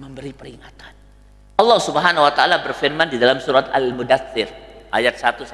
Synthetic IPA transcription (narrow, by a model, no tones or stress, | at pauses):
məmbəɾipəɾiŋat̪ḁn | ɑlːɑhsubəɦanawat̪aʔalabərfirmandidalamsuɾat̪a̰lmudaθɪrʔa̰jat̪̚sat̪us